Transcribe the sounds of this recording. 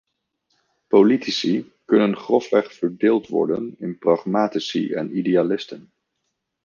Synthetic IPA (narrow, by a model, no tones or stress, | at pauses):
politisi | kɵnənχrɔfʋɛχfəɹdeːlˠtʋɔ̰ɹdə̰nɪnprɑχmaːtisḭʔɛ̰nidealɪstən